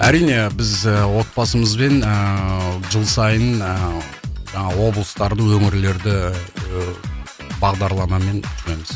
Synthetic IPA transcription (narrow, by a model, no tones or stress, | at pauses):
æɾijne̞bɪzəwo̞t̪̚bɑsəməzbe̞n | ʒəlˠsɑjən | ʒɑɴɑwo̞blˠəst̪ɑɾd̪əwɵŋɪɾle̞ɾd̪ɪ | bɑʁd̪ɑɾlˠɑmɑme̞nʰʏʏne̞mɪz̥